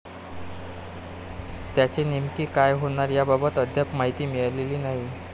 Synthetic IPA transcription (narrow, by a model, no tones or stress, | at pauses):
t̪jat͡ɕinimkiːkajɦoɳ̃aɾjababət̪əd̪ʱjapmaɦit̪iːmiɭaleliːnaɦi